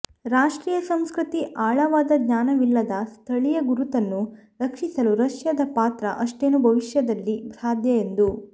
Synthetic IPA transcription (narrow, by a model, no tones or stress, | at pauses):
ɾaːʂʈɾiːjɐsɐmskɾit̪iʔaːɭɐʋaːd̪ɐd̪ɲaːnɐʋilːɐd̪ɐst̪ʰɐɭijɐɡuɾut̪ɐnːu | ɾɐkʂisɐluɾɐʂjɐd̪ɐpaːt̪ɾɐʔɐʂʈeːnubʱɐʋiʂjɐd̪ɐlːibʱɾaːd̪jɐend̪u